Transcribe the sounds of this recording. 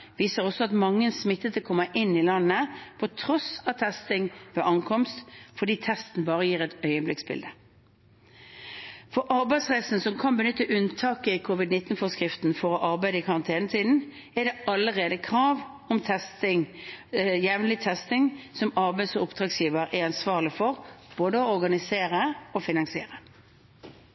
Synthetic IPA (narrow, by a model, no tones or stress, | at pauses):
ʋiːsəʁɔsːɔɑt̪mɑŋːənsmɪt̪ːət̪ʰkʰɔmːəʔɪnːɪlɑnːəpʰɔt̪ʰɾɔsɑt̪ʰɛst̪ɪŋʋɛʔɑŋkʰɔmst̪fɔd̪iːt̪ʰɛst̪n̩bɑːʁəjiːʁɛt̪œʏəblɪksbɪ̰ld̪ə | fɔɾʔɑɾbæɪsʁæɪsn̩sɔmkʰɑnbənʏt̪ːəʔʉnt̪ʰɑːkəɪkʰʊʋɪd̪nɪt̪ːn̩fɔskʁɪft̪n̩fɔʁɔʔɑʁbæɪd̪əɪkʰɑʁɑnt̪ʰeːnət̪ʰiːd̪n̩ | ɛd̪ɛɑlːəʁeːd̪əkʰʁɑːʋ | ɔmt̪ʰɛst̪ɪŋ | jɛʋnlɪt̪ʰɛst̪ɪŋsɔmɑʁbæɪsɔʊpd̪̥ʁɑːɡsjiːʋəɾɛɾɑnsʋɑːʁlɪfɔʁb̥oːd̪əɔɔʁɡɑnɪseːʁəɔfɪnɑŋsɪḛːʁə